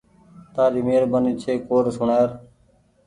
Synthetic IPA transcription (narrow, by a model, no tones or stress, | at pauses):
t̪aːɾiːmeːɾbəniːt͡ʃʰeːkoːɾsʊɳaːɾ